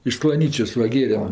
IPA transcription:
ɪʃ sklˠɐˈnʲiːt͡ʃʲoːs ˈʋɐ ˈɡʲeːrʲɛm

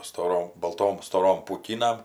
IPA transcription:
stoːˈroːm bɐlˠˈtoːm stoːˈroːm puːˈkʲiːnɐm

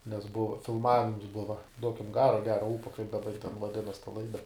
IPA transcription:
nʲɛs ˈbʊʋɐ fʲɪlˠˈmɑːʋʲɪms ˈbʊʋɐ ˈduɔkʲɪm ˈɡɑːroː ɐ ˈɡʲæːroː ˈuːpoː kɐɪp dɐˈbɐ jɪ tʲɛn ʋɐˈdʲɪnɐs tɐ ˈlˠɐɪdɐ

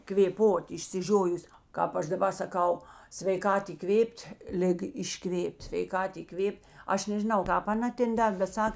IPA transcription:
kʋʲeːˈpoːt ɪʃʲsʲɪˈʒʲoːjʊs ˈkɑːp ˌɐʃ dɐˈbɐ sɐˈkɐʊ sʲʋʲɛɪˈkɐt iːˈkʋʲeːpʲtʲ ˈlʲɪɡɐ ɪʃˈkʋʲeːpʲtʲ sʲʋʲɛɪˈkɐt iːˈkʋʲeːpʲtʲ ˈɐʃ nʲɛʒʲɪˈnɐʊ ˈkɑːp ɐˈnɐ ˈtʲɛn ˈdɐrʲ bʲɛt ˈsɐk

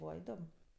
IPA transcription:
ˈbuːʋɐ ɪˈdoːm

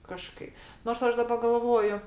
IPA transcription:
kɐˈʃkɐɪ noːrs ˈɐʃ dɐˈbɐ ɡɐlˠˈʋoːjʊ

